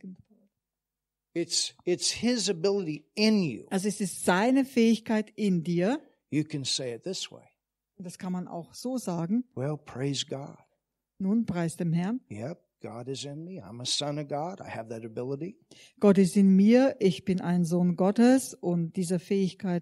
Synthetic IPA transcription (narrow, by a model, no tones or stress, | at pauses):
n | ɪtsɪtshɪzɨbɪlˠəɾiɪ̃njʉ̰ʔalzoɛsɪstz̥aɪnəfɛːɪçkʰaɪtɪndiːɐ | jɨkɨ̃nseɪɨt̪̚ðɪswḛɪ | ʊnd̥askʰanmana̰ʊxz̥oːzaːɡŋ̩wɛlˠpʰɹ̥eɪzɡɑd̥ | nuːnpʁ̥aɪsd̥eːmɦɛɐnjɛp̚ɡ̥ɑɾɨzɪ̃nmiã̰ɪ̃məsʌ̃nʌvɡɑɾa̰ɪɨvðɨɾɨbɪlˠəɾi | ɡ̥ɔtɪstɪnmiːɐʔɪçb̥ɪnʔaɪnzoːnɡɔtəsʔʊnt̚d̥iːzɐfɛːɪçkʰaɪt